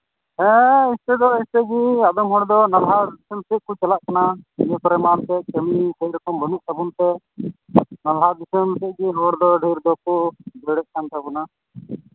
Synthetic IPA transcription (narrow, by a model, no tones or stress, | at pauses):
ɦɛ̃ist̪ɛd̪ɔɦist̪ɛɡiad̪ɔmɦɔɽd̪ɔnalɦad̪isəmsɛʔ̚kɔt͡ʃalaʔkanaiɲɛkɔɾɛmant̪ɛt͡ʃəmisəjɾɔkɔmbɔnuʔsabumt̪ɛ | nalɦad̪isəmsɛʔ̚ɡiɦɔɽd̪ɔɖʱəjɾd̪ɔkɔbɛɽɛʔ̚kant̪abɔna